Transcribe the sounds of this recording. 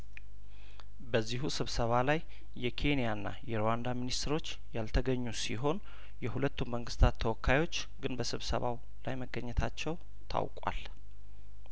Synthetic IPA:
bəzːiɦusɨβsəβalaj | jɛkʰe̞nijanːa̰jɛɾowand̪aminist̪ɾo̞t͡ʃː | jalt̪ʰəɡəɲːusiɦo̞n | jɛhulət̪ʰːumməŋɡɨst̪ʰat̪ʰːəwɔkːajo̞t͡ʃː | ɡɨnbəsɨβsə̰βa̰w | lajməɡːəɲːɛt̪ʰat͡ʃːɛw | t̪ʰa̰wkʼwa̰l

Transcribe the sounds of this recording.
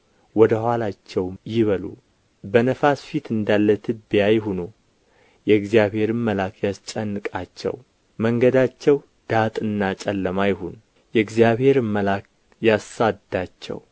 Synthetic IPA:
wɔd̪əhʷalat͡ʃːɛwmjɪβəlṵ | bənəfasfit̪ʰɨnd̪alːət̪ʰɨbijajɪɦunu | jɛɡzijaβhe̞ɾɨmːəlakʰjast͡ʃʼənːɨkʼat͡ʃːɛ̰w | məŋɡəd̪at͡ʃːɛw | d̪̥at̪ʼɨnːat͡ʃʼɛlːəmajɪɦunu | jɛɡzijaβhe̞ɾɨməlak̚ | jasad̪at͡ʃːɛ̰w

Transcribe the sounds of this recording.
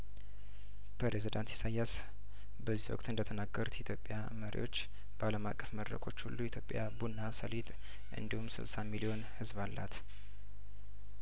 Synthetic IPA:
pʰɾezid̪ant̪ʰi̥sajas | bəzːihwɔ̰kʼt̪ɨnd̪ət̪ʰənaɡːəɾut̪ʰjɛt̪jo̞pʼːja | məɾḭwo̞t͡ʃː | b̥əaləmakʼːəfməd̪ɾə̰kʰo̞t͡ʃːhulːuit̪ʰjo̞pʼːjabunːasəlit̪ʼ | ʔɨ̰nd̪ihumsɨ̰lsamilio̞nhɨzβalːa̰t̪

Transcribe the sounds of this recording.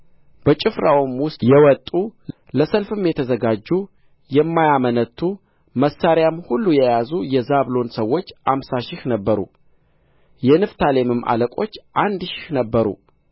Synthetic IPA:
b̥ət͡ʃʼɪfɾawɨmwʊst̪ʼjɛwɔt̪ʼu | ləsəlfɨmjɛt̪ʰəzəɡad͡ʒːu | jɛmːajamənət̪ʰːu | məsːaɾjamhulːujɛjazujɛzaβlo̞nsəwːo̞t͡ʃːamsaʃɪhnəbːəɾṵ | jɛnɨft̪ʰale̞mɨmʔa̰ləkʼo̞t͡ʃːʔand̪ʃɪ̥hnəbːəɾṵ

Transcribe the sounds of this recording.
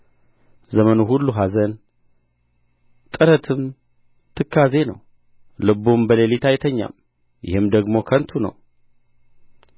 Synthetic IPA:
zəmənuɦulːuɦazən | t̪ʼɨɾət̪ʰɨm | t̪ʰɨkʰːazenə̰w | lɨbːumbəlelit̪ʰajt̪ʰəɲːa̰m | jɪ̰hɨmd̪əɡmo̞kʰənt̪ʰunə̰w

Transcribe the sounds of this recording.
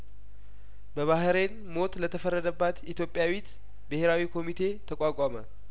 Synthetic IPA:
bəβahɾe̞n | mo̞t̪lət̪ʰəfərːəd̪əbːat̪it̪jo̞pʼjawit̪ | bɨhe̞ɾawikʰo̞mit̪ʰe̞t̪ʰəkʷʼakʷʼamə

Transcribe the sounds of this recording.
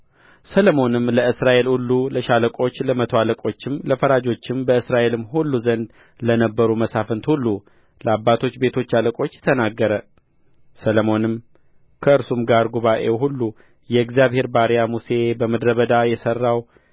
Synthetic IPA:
sələmo̞nɨmləɨsɾaʔe̞lulːuləʃaləkʼo̞t͡ʃːləmət̪ʰoaləkʼo̞t͡ʃːɪmləfəɾad͡ʒo̞t͡ʃːɪmbəɨsɾaʔe̞lɨmːɦulːuzənd̪ | lənəbːəɾuməsafənt̪hulːu | ləabːat̪ʰo̞t͡ʃːbe̞t̪ʰo̞t͡ʃːaləkʼo̞t͡ʃːt̪ʰənaɡːəɾə | sələmo̞nɨm | kʰəɨɾsumɡaɾɡuβaʔe̞ɦulːu | jɛɨɡzijaβhe̞ɾbaɾijamuse̞bəməd̪ɾəβəd̪ajɛsərːaw

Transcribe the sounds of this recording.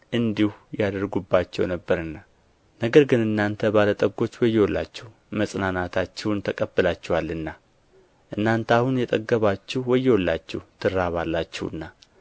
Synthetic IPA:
ʔɨnd̪ihujad̪əɾɡubːat͡ʃːɛ̰wnəbːəɾɨnːa | nəɡəɾɡɨnɨnːant̪ʰəbalət̪ʼəɡo̞t͡ʃːwɔjːɛwɔlːa̰t͡ʃːɛh | məsʼnanat̪ʰat͡ʃːɛwnt̪ʰəkʼəbːɨlat͡ʃːɛwalːɨnːa | ʔɨnːant̪ʰahunjɛt̪ʼəɡːəβat͡ʃːɪhwɔjːɛwɔlːat͡ʃːɛht̪ʰɨɾːaβalːat͡ʃːɛwɨ̰nːa

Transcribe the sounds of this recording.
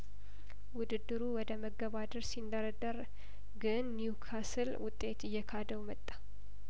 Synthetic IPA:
wʊd̪ɨd̪ːɨɾuwɔd̪əməɡəβad̪əɾsind̪əɾəd̪əɾ | ɡɨnːjukʰasɨlwʊt̪ʼːe̞t̪ɨjːɛkʰad̪əwmət̪ʼːḁ

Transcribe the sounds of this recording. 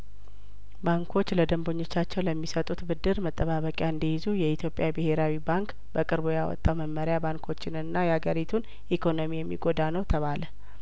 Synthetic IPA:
baŋkʰo̞t͡ʃːləd̪əmbo̞ɲːo̞t͡ʃːat͡ʃːɛwləmːisət̪ʼut̪bɨd̪ːɨɾmət̪ʼːəβaβəkʼjaɨnd̪əjizujɛit̪ʰjo̞pʼjabɨhe̞ɾawibaŋk | bəkʼɨɾbujawɔ̰t̪ʼːawməmːəɾɪjabaŋkʰo̞t͡ʃːɪnɨnːajɛhaɡəɾit̪ʰun | ʔikʰo̞nomijɛmːḭɡo̞d̪anəwt̪ʰəβalə

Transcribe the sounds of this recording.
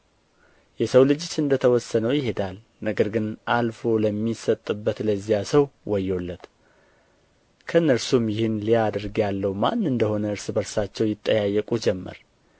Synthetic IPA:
jɛsəwlɨd͡ʒɪt͡ʃːɨnd̪ət̪ʰəwɔsːənəwjɪɦe̞d̪al | nəɡəɾɡɨnʔalfo̞ləmːisət̪ʼːɨbːət̪ləzijasəwwɔjːo̞lːət̪ | kʰəɨnːəɾsumjɪhɨnlijad̪ɾɡjalːəhuma̰nːɨnd̪əho̞nəɨɾsbəɾsat͡ʃːɛwjɪt̪ʼːəjajːəkʼud͡ʒɛmːə̰ɾ

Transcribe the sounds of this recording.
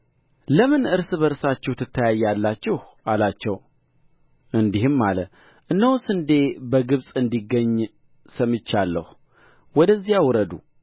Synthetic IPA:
ləmɨnɨɾsbəɾsat͡ʃːɛht̪ʰːɨt̪ʰːəjajalːat͡ʃːɪhʔalat͡ʃːɛw | ʔɨnd̪ihɨmːalə | ʔɨnːəwsɨnd̪e̞bəɡɨβsʼɨnd̪iɡːəɲː | səmɨt͡ʃːalːə̰h | wɔd̪əzːijawɾəd̪u

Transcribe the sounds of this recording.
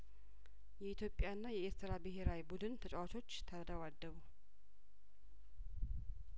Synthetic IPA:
jɛit̪jo̞pʼjaɨnːajɛest̪ɾabɨɦeɾawibud̪ɨnt̪ʰət͡ʃʼɛwat͡ʃʰo̞t͡ʃːt̪ʰəd̪əwad̪ːəβu

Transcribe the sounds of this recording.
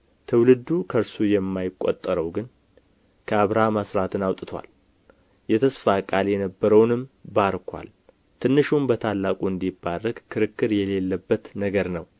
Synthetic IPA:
t̪ʰɨwlɨd̪ukʰəɾsujɛmːajɪkʼːo̰t̪ʼːəɾəwɡɨn | kʰəaβɾaməsɾat̪ʰɨnawt̪ʼɨt̪ʰwa̰l | jɛt̪ʰəsfakʼaljɛnəbːəɾəwnɨmbaɾkʰwa̰l | t̪ʰɨnːɨʃumbət̪ʰalːakʼuɨnd̪ibːarːəɡkʰɨɾɨkːɨɾjɛle̞lːəbːət̪nəɡəɾnəw

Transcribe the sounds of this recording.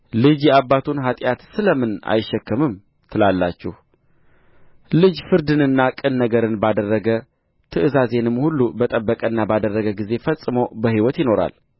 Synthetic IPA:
lɨd͡ʒjɛabːat̪ʰunɦat̪ʼjat̪sɨləmɨna̰jɪʃːɛkːəmɨm | t̪ʰɨlalːa̰t͡ʃːɛ̰h | lɨd͡ʒfɨɾd̪ɨnɨnːakʼɨnːəɡəɾɨnbad̪ərːəɡə | t̪ʰɨʔɨzaze̞nɨmːhulːubət̪ʼəbːəkʼənːabad̪ərːəɡəɡize̞fəsʼːɨməwbəhiwɔt̪jɪno̞ɾa̰l

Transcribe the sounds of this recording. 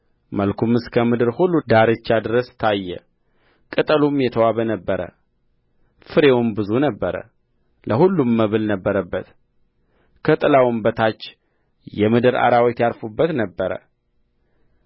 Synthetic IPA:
məlkʰumɨskʰəmɨd̪ɨɾhulːud̪aɾɨt͡ʃːad̪ɨɾəst̪ʰajːɛ̰ | kʼɨt̪ʼəlumjɛt̪ʰəwaβənəbːəɾə̰ | fɨɾe̞wʊnbɨzunəbːəɾə̰ | lʔəhulːumːəβɨlnəbːəɾəbːət̪ | kʰət̪ʼlawmbət̪ʰat͡ʃː | jɛmɨd̪ɨɾa̰ɾawɔt̪jaɾfubːət̪nəbːəɾə̰

